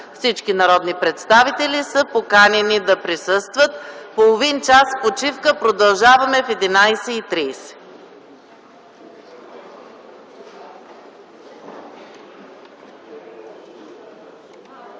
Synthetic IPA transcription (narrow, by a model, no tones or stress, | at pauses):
fsit͡ʃkinɐɾɔd̪nipɾɛt̪st̪avit̪ɛlʲisəpokanʲɛnid̪ɐpɾisɤst̪vət̪̚polˠovint͡ʃaspot͡ʃifkəpɾod̪ɐlˠʒavɐmɛfɛd̪inajsɛit̪ɾiːsɛ̥